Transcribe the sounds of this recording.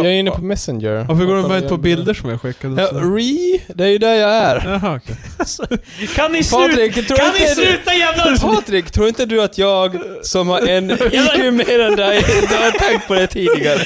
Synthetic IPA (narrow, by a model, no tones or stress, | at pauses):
jɑæɾɪnːəpʰɔmɛsənd͡ʒə̰ɾfœɡoːɾɛvɛnpʰɔbɪld̪əʂɔmja̰ɧɪkːad̪jɑɾiːd̪ɛæjʉd̪æɾjɑæɾɦ | kʰanːɪspʰɑɾɪkt̪ʰɾuːɾɪnəd̪ʉːt̪ajævpʰɑːt̪ɾɪkt̪ʰɾuːɾɪnt̪əd̪ʉat̪ʰjɑːɡsɔmhaɾɛnɪʉmeːɾɛnd̪ɛjd̪ɛhat̪ʰɛŋt̪̚pʰɔd̪ɛt̪ʰiːd̪ɪɡaɾə